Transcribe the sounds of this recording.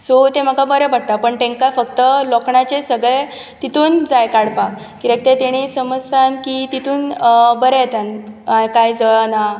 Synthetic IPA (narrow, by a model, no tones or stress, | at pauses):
sot̪em̤əkabəɾɛbəɽ̚t̪apəɳʈ̪ẽŋkafəkt̪əlɔkɳat͡ɕesəɡɭe | t̪it̪uːnd͡zajkaɽpak | kiɾək̚t̪et̪eɽ̃isəməst̪ʰankit̪it̪uːnbəɾejet̪anajkajd͡zəɭana